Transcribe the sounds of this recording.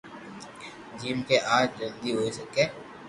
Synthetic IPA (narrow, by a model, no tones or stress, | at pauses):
d͡ʒiːmkeʔaːd͡ʒlɐ̃nd̪iɦoːisɐkẽː